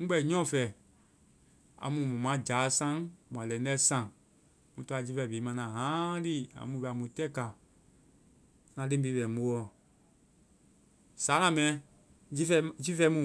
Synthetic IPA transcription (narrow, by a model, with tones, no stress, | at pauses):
ŋ̩̃˦ɡ͡bɛ˧˨ɲɔ̃˦˨fɛ˨ | a̰˨mũ˧mɔ̃˨mã˨˦d͡ʒaː˨˦sã˦ŋmã˨lɛ̃˨n˦dɛ˦sã˧˨ŋ | mũ˧˨tɔ˦a˧˨d͡ʒi˦fɛ˧˨beː˨˦mã˧nã˨ɦãː˨˦di˦˨ã̰˨mũ˧bɛ˧˨a˨mũ˧tɛ˦˨ka˨ | nã˧lẽ˦be˧˦bɛ˨mo˧˦wɔ˨ | saː˨˦nã˨˧˨mɛ̃˨˦ | d͡ʒi˦fɛ˧d͡ʒi˦fɛ˧˦mũ˨